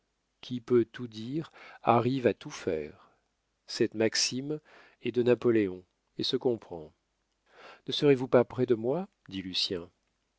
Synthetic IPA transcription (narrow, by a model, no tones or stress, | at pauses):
kʲʰipøt̪ud̪iʁaʁivat̪ufɛ̰ːʁ | sɛt̪maksim | ɛd̪ənapɔleɔ̃ | esəkɔ̃pχɑ̃ | nəsəʁevupapχɛd̪əmwa | d̪ilysjɛ̃